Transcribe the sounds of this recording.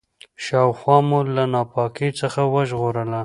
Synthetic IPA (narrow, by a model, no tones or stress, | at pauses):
ʃɑwxwɑmulanɑpɑkit͡səxawəʒɣoɾəla